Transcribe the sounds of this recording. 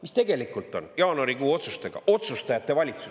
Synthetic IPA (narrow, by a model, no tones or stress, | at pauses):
mist̪e̞ɡe̞likˑult̪ˑo̞̰njɑːnuɑɾikuːo̞t̪sust̪e̞ɡ̥ɑ̰ʔo̞t̪sust̪ɑjɑt̪ːˑe̞vɑlʲit̪su